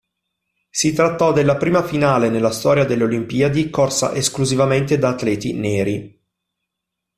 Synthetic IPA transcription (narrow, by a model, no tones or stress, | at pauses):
sit̪ɾat̪ːɔd̪elːapɾiːmafinaːlenelːast̪ɔːɾjad̪elːeolimpiad̪ikorsa̰ʔeskluzivament̪ed̪aːt̪lɛːt̪ḭneːɾi